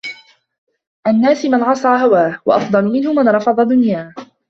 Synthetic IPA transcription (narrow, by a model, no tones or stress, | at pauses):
ʔanːaːsɪmanʕɑsˤɑːɦawaːhwɑʔɑfd̪ˤɑlmɪnhʊmanɾˤɑfɑðˤɑd̪ʊnjaː